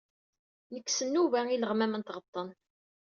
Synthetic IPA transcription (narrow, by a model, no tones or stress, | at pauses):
nəkːsənːuvæiləʁmæmənt̪ʁət̪ˤːən